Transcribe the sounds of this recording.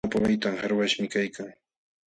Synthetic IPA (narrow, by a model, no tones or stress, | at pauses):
apawajt̪amhaɾwaʃmɪkajkaŋ